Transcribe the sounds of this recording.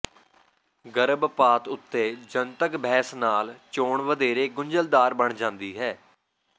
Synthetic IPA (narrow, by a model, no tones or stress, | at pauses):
ɡəɾəbpaːt̪ʊt̪ːeːd͡ʒənt̪əkbʱɛːsnaːlt͡ʃoːɳʋəd̪eːɾeːɡʊɲd͡ʒəld̪aːɾbəɳd͡ʒãːnd̪iːɦɛː